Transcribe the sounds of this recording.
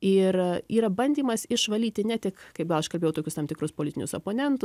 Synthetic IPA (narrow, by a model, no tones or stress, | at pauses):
ɪriːɾɐbɐnʲd̪ʲiːmɐsɪʃʋɐlʲiːt̪ʲɪnʲɛt̪ʲɪkkɐɪp̚ɡɐlˠɐʃkɐlʲbeːjɛʊt̪oːkʲʊst̪ɐmt̪ʲɪkɾʊspoːlʲɪt̪ʲɪnʲʊso̰ːpoːnʲɛnt̪ʊ